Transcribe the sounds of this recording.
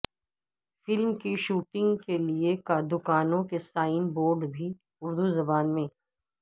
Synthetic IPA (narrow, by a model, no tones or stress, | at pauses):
fɪlmkiʃuːʈɪ̃ŋɡkeliekad̪ʊkaːnõkesaːɪnboːɾɖbʱi | ʊɾd̪uzɐbaːnmẽː